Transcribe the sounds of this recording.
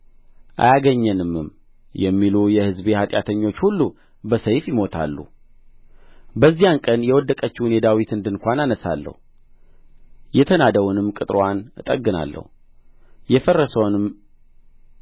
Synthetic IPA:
ʔa̰jaɡəɲːɛnɨmːɨm | jɛmːilujɛhɨzbe̞hat̪ʼjat̪ʰəɲːo̞t͡ʃːhulːu | bəsəjfjɪmo̞t̪ʰa̰lːṵ | bəzːijankʼənjɛwɔd̪ːəkʼət͡ʃːunɛd̪awit̪ɨnd̪ɨnkʷananəsa̰lːə̰hu | jɛt̪ʰənad̪əwunɨmkʼɨt̪ʼɾwanɨt̪ʼəɡːɨna̰lːə̰hu | jɛfərːəsəwnɨm

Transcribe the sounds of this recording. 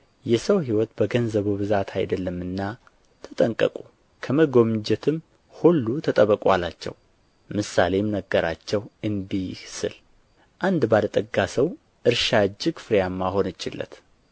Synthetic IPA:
jɛsəwɦiwɔt̪bəɡənzəβuβɨzat̪ʰajd̪əlːəmːɨnːa | t̪ʰət̪ʼəŋkʼə̰kʼu | kʰəməɡo̞md͡ʒɛt̪ʰɨm | hulːut̪ʰət̪ʼəβəkʼalat͡ʃːɛ̰w | mɨsa̰le̞mnəɡːəɾa̰t͡ʃːɛwɨnd̪isɨ̰l | ʔand̪balət̪ʼəɡːasəw | ʔɨɾʃad͡ʒɪɡfɨɾjamːaho̞nɨt͡ʃːɪlːə̰t̪

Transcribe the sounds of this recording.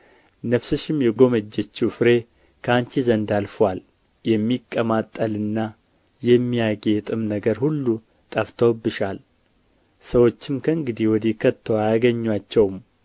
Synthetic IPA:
nəfsɨʃɪmjɛɡo̞məd͡ʒːɛt͡ʃːufɨɾe̞ | kʰaɲt͡ʃizənd̪alfwal | jɛmːikʼːəmat̪ʼːəlɨnːa | jɛmːijaɡet̪ʼɨmnəɡəɾhulːu | t̪ʼəft̪ʰəwbːɨʃal | səwo̞t͡ʃːɪmkʰəɨŋɡɨd̪iwɔd̪ikʰət̪ʰːəwajaɡəɲːwat͡ʃːɛwm

